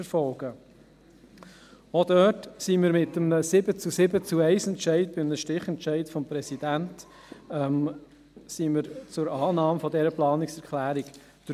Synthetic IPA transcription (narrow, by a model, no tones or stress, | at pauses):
əɾfɔlɡ̥ə | od̥œːtsiməɾmɪt̪əməsɪbət͡susɪbət͡suɛɪsɛntʃɛɪdb̥ɪmnəʃtɪχɛnʃɛɪtfɔmpɾɛsidænt | ɛm | siːmɪɾt͡sʊɾɑːnɑːmfɔdɛɾəplɑːnɪksɛɾklæːɾik | d̪̥ɾ